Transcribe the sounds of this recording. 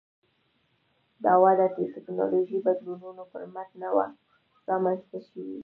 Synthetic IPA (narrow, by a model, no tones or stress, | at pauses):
d̪ɑwɑd̪at͡ʃetɪknɑ̰loʒijbad̪lununopəɾmat̪nawa̰ | ɾɑmanst̪aʃəwḭ